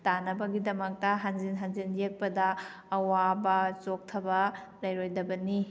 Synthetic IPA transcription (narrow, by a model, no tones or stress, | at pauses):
tanɐbɐɡidɐmɐk̚tɐɦanzinɦanzinjek̚pɐdɐː | wabɐt͡ʃok̚tʰɐbɐ | lɐjɾojdɐbɐni